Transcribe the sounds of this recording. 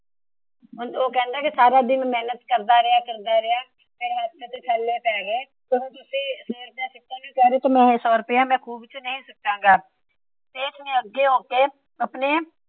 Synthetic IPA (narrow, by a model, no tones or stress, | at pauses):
ʊoːkɛ̃ːnd̪akesaːɾad̪ɪmẽmɛːnət̪kəɾd̪aɾɛjakəɾd̪aɾɛja | meːɾead̪t̪et̪eʈʰɛlːepɛːɡeː | t̪oːɦt̪ʊsiseːɾt̪ẽsɪk̚t̪ebikɛːɾet̪omɛ̃ɪsɔːɾʊpjamɛ̃ːkuːbt͡ʃnɐɦĩsɐk̚t̪ãŋɡaː | t̪eːt͡ʃmẽəɡeɦoːke | ɐpne